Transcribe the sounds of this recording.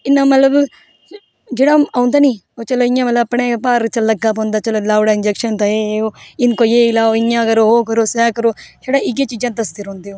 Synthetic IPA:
ɪnːãːmət̪ləb | d͡ʒeːɽaːaːʊ̃nd̪aːniː | oːt͡ʃəloːɪjãːmət̪ləbəpɳeːpaːɾt͡ʃələɡːaːpõːnd̪aːt͡ʃəloːlaːɽaːɪnd͡ʒɛːkʃənt̪ãeːeoːɪnkoːjeːɪlaːoːɪjãːkəɾoːɦoːkəɾoːsɛːkəɾoːseːɽaːɪɡeːt͡ʃiːd͡ʒãːt̪əst̪ɪɾɦõːnd̪eːoː

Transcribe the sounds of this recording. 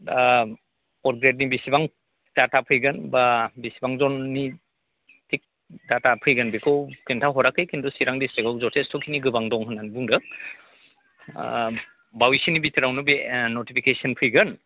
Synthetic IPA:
ɔɾɡɾet̚nibisibaŋ | datapʰɯjɡɯnbabisibaŋzɔnːi | tʰik̚ | datapʰɯjɡɯnbikʰɯwkintʰaɦɔɾakːɯjkʰintɔsiɾaŋdisteɡawzɔtʰestʰɔkʰiniɡɯbaŋdɔŋɦɯnanibuŋdɯ | bawisinibitʰɯɾawnɯbenotipʰikesɔnpʰɯjɡɯn

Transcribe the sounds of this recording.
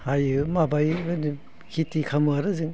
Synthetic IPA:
hajɯmabajbni | kʰitikʰamɯaɾɯzɯŋ

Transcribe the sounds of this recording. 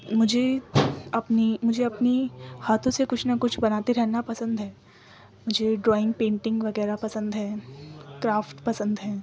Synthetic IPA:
mʊd͡ʒʱe | ɐpnimʊd͡ʒʱeɐpnihaːt̪ʰõsekʊt͡ʃʰnɐkʊt͡ʃʰbɐnaːt̪eɾɛɦnapɐsə̃nd̪ɦɛː | mʊd͡ʒʱeɖɾɔːɪ̃ŋɡ̚pẽːɳʈɪ̃ŋɡʋɐɣɛːɾapɐsə̃nd̪ɦɛːkɾaːfʈpɐsə̃nd̪ɦɛː

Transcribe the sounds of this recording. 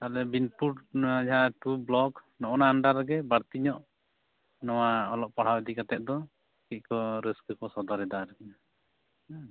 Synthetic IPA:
t̪alɛbinpuʈad͡ʒaʈublɔknɔʔɔnaːɳɖaɾɡɛbaɾt̪iɲɔʔ | nɔwaɔlɔʔpaɽ̤awd̪ikat̪ɛt̪̚d̪ɔ | kic̚kɔɾiskəkɔsɔd̪ɔɾɛd̪aɾ

